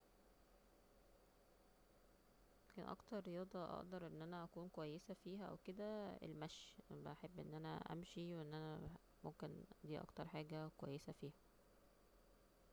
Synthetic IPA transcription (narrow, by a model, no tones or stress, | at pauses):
kænʔɑ̰kt̪ɑɾˤːejɑːd̪ˤɑʔɑ̰ʔd̪ɑɾˤʔenːʔænæʔækuːnkowæjːesæfiːhæʔæ̰wked̪æḛlmæʃbʔæħebːʔenːʔænæ̰ʔæ̰mʃiweʔenːʔænæ | momkend̪iːʔɑ̰kt̪ɑɾˤħaːɡækowæ̰jːesæfiːhæ